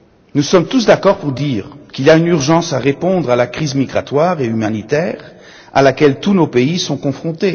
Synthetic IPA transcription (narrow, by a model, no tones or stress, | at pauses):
nusɔmt̪us̬d̪akɔʁpuʁd̪iːʁkʲiliaynyʁʒɑ̃saʁepɔ̃d̪ʁalakχizmiɡʁat̪waʁeymanit̪ɛːʁ | a̰lakʲɛlt̪unopeisɔ̃kɔ̃fχɔ̃t̪e